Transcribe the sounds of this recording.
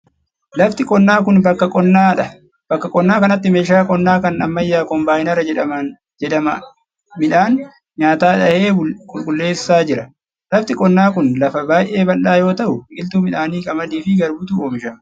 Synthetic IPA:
lɐft̪ɪkʼɔnːaːkʊnbɐkːɐkʼɔnːaːᶑɐ | b̥ɐkːɐkʼɔnːaːkɐnɐt̪ːɪmeːʃaːkʼɔnːaːkɐnɐmːɐjːaːkɔmbaːjɪnɐɾɐɛᶑɐmɐn | d͡ʒɛᶑɐmɐ | mɪᶑaːn | ɲaːt̪aːᶑɐheːkʼʊlkʼʊlːe̞ːsːaːd͡ʒɪɾɐ | lɐft̪ɪkʼɔnːaːkʊnlɐfɐbaːjʔe̞ːbɐnɗaːjo̞ːt̪ɐʔʊʔɪlt̪uːmɪᶑaːniːkʼɐmɐd̪iːfɪɡɐɾbʊt̪uoːmɪʃɐmɐ

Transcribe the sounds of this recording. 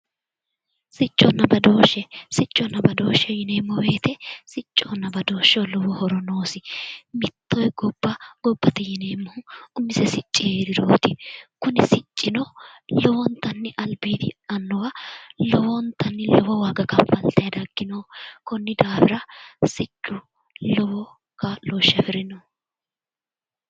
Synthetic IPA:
sɪt͡ʃʼːɔnːɐbɐd̪o̞ːʃːɛsɪt͡ʃʼːɔnːɐbɐd̪oːʃːɛjɪneːmːɔweːt̪ɛsɪt͡ʃʼːonːɐbɐd̪o̞ːʃːɛwlɔwɔhɔɾɔnoːsɪmɪt̪ːɔjɡɔb̥ːɐɡ̥ɔbːɐt̪ɛjɪneːmːɔhʊʊmːɪsɛsɪt͡ʃʼːɪeːɾɪɾoːt̪ɪkʊnɪsɪt͡ʃʼːɪnɔlɔwɔnt̪ɐnːɪʔɐlbiːd̪ɪɐnːɔwɐlɔwɔnt̪ɐnːɪlɔwɔwaːɡɐkɐfɐlt̪ɐjɐd̪ɐɡːɪnoːkɔnːɪd̪aːfɪɾɐsɪt͡ʃʼːʊ | lɔwɔ | kɐloːʃːɐfɪɾɪnɔ

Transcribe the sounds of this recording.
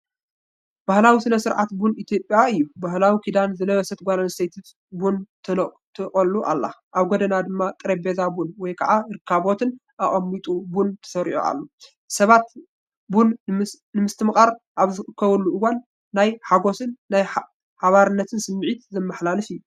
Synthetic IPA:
b̥ahlawisɨnɐsɨɾʕa̰t̪bunit̪ʰjo̞pʼjaɨjːubahlawikʰid̪anzɨlɐβɐsɐt̪̚ɡʷalansejt̪ʰɨt̪ | bunt̪ʰɨ | t̪ʰɨkʼɐlːuʔa̰lːa̰ʔaβɡod̪ɐnad̪ɨmːakʼɨɾebezabunwɔjkʰɐʕaɾɨkʰːaβo̞t̪ʰɨn | ʔaʔʼɐmːit̪ʼubunt̪ʰɐ̥sɐɾḭʕo̰a̰lːo | sɐβat̪ | bun | nɨmɨst̪ʰɨmɨχʼaɾʔaβzɨɨkʰːɐβɐlːuɨwanː | ajħaɡo̞sɨnːaj | ħaβaɾɨnːɐt̪ʰɨnsɨmːɨʕit̪zɐmːɐħlalɨfɨjːu

